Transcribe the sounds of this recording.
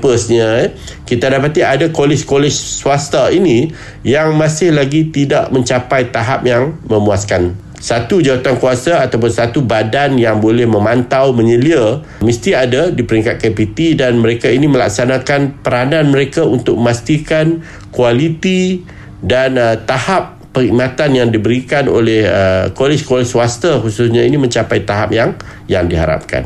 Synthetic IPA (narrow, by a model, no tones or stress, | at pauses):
pəsɲa | kit̪adapat̪iadakolɪt͡ʃkolɛt͡ʃsuast̪ainĩ | jaŋmãsɪhlaɡit̪idaʔmə̃ɲt͡ʃapajt̪aɦap̚jaŋmə̃muaskan | sat̪ud͡ʒawat̪ankuasaːt̪awp̬ʊnsat̪ubadanjaŋbolɛhmə̃mãnt̪awmə̃ɲəlia | mist̪iadadipəɾiŋkat̪̚kapit̪idanməɾekainĩmə̃la̰k̚sanakanpəɾanãnmə̃ɾekaunt̪ʊk̚məmast̪ikan | kualit̪i | dant̪ahapːəŋimãt̪anjaŋdibəɾikano̰lɛhəkolɪskolɛsswast̪axususɲainimə̃ɲt͡ʃapajt̪aɦa̰p̚jaŋ | jaŋdiɦa̰ɾa̰p̚ka̰n